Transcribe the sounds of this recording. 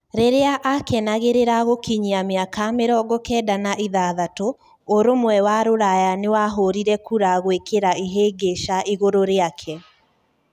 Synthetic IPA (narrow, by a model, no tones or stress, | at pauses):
ɾeɾeaʔakɛnaɣeɾeɾaɣokiɲiameakameɾɔɡɔkɛːdanaʔiðaðato | oɾomwɛwaɾoɾajanewaɦoɾiɾɛkuɾaɣwekeɾaiɦeːɡeʃaʔiɣoɾoɾeakʰɛ